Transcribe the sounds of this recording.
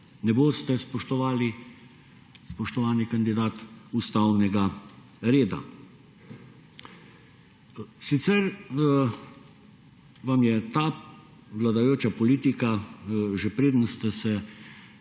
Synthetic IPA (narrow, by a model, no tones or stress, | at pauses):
nɛboːst̪ɛspɔʃt̪ɔʋaːli | spɔʃt̪ɔʋaːnikand̪id̪aːt̪ust̪awnɛɡa | ɾeːd̪a̰ | sit̪sɛɾ | ʋamjɛt̪aː | ʋlad̪ajoːt͡ʃapɔliːt̪ikaʒɛpɾeːd̪nst̪ɛsɛ